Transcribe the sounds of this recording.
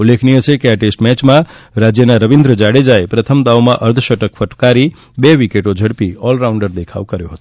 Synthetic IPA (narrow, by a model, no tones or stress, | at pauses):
ulːekʰnijət͡ʃʰekeaʈesʈmɛt͡ʃmãɾad͡ʒjənaɾəʋind̪ɾəd͡ʒaɽed͡ʒaepɾət̪ʰəmd̪awmãʔəɾd̪ʰʱʃəʈəkpʰəʈkaɾi | bɛʋikeʈod͡ʒʱəɽpiɔlɾaʊ̃ɳɖəɾd̪ekʰa̰ʋkəɾjoɦət̪o̥